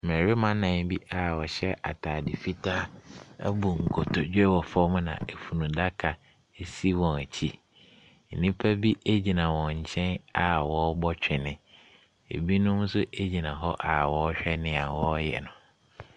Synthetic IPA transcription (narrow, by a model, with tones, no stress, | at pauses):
mɛ˨ɾi˦mã˦nã˨n˦bi˦ʔa˨wɔ˨ɕɛ˦ʔa̰˨tʰaː˨dɪ˨fi˦tʰa˦æ̰˦bu˨ŋ̩˨kʰɔ˨tʰɔ˨d͡ʑᶣɛ˦wɔ˨fɔ˦m˦nã̰˨e˨fu˨nũ˨da˦kʰa˨ | e˨si˦wɔ̃˨æ˨t͡ɕʰi˦˨ | nĩ˦pʰa˦bi˦e˦d͡ʑi˨nã˨wɔ̃˨ɲ̩˨t͡ɕʰɛ̃˦na˨wɔ˨˦bɔ˦t͡ɕᶣɪ˨nɪ̃˨ | ḛ˨bi˦nʊ̃˦m˦sʊ˦ʔe˦d͡ʑi˨nã˨ɦɔ˦ʔa˨wɔ˦ɕᶣɛ˦nɪ̃˨a˨wɔ˦jɛ̰˨nʊ̃˨